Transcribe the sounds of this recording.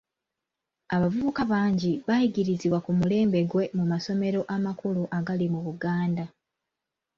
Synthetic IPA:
aβavuβukaβaːɲɟiβajiɡiɾiziβwakumule̞ːmbe̞ɡwe̞mumaso̞me̞ɾo̞ʔamakuluʔaɡalimuβuɡaːnda

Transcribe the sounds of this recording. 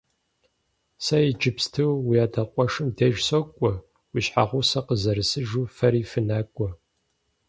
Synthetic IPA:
sɐjid͡ʒɪpstʰɨwwijaːdʰɐqʷʼɔʂɨmdeʒsokʷʼɔ | wiɕħaʁʷʊsɐqəzɐɾɨsɨʒuːfɐɾiːfɨnaːkʷʼɔ

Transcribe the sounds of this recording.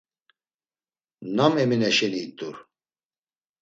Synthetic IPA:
namɛminɛʃɛniːt̪ʼuɾ

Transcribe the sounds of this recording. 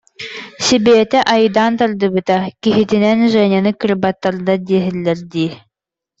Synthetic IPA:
sibɛːt̪ɛʔajɯd̪aːnt̪aɾd̪ɯbɯt̪akiɦit̪inɛnʒɛɲʲanɯkɯɾbat̪ːaɾd̪ad̪iɛɦɛlːɛɾd̪iː

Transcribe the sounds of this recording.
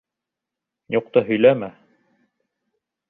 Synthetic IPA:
juq̚t̪ɤɦɵ̆jlæmæ

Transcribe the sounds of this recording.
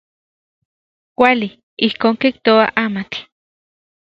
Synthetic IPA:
kʷali | ihkoːŋkiht̪oaʔamat͡ɬ

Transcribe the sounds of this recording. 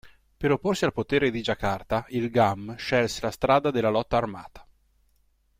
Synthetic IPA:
peɾopːorsialpot̪eːɾed̪id͡ʒakart̪ailɡamʃɛlselast̪ɾaːd̪ad̪elːalɔt̪ːaːrmaːt̪ḁ

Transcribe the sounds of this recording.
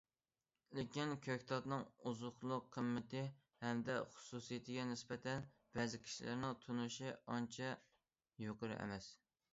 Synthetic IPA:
lɪkʲinkʲʰøkʲt̪ʰɑt̪nɨŋuzʊχlˠʊqʰːəmːɪt̪ʰɪ | hɛmd̪ɛχʊ̥susijet̪ʰɪɡʲɛnɪsbɛt̪ʰɛn | b̥ɛzɪkʲʰi̥ʃilɪ̰ɾnɪŋt̪ʰunuʃɪɑnt͡ʃʰɛ | joqəɾɨ̰ʔɛ̰mɛs

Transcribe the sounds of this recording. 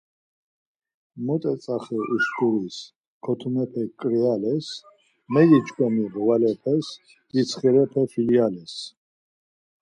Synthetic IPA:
mɔt̪ʼɛt͡sʼaχɛʔusɡuɾis | kʰɔt̪ʰumɛpʰɛkʼɾialɛs | mɛɡit͡ʃkʼɔmiʁwalɛpʰɛs | d̪̥isʰχiɾɛpʰɛfilialɛs

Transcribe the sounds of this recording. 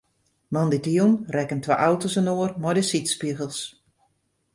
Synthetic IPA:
mɔnditiunrɛkəntʰʋa̰ʔawtosənoərmɔjdəsitspiəɣəlˠs

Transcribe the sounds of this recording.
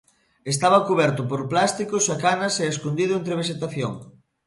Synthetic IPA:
es̬t̪aβɐkuβɛɾt̪ʊpoɾplast̪ikosakanɐsɛeskond̪iðʊent̪ɾeβ̞eʃ̬et̪aθjo̰ŋ

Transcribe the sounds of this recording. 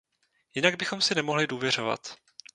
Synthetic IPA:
jɪnaɡ̚bɪxo̞msɪnɛmo̞ɦlɪduːvjɛr̝o̞va̰t̪

